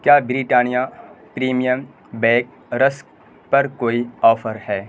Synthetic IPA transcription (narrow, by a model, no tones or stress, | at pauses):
kjaːbɾiʈaːnija | pɾiːmijəm | bɛ̃ːk̚ | ɾəsk | pɐɾkoːiɔːfʰəɾhɛː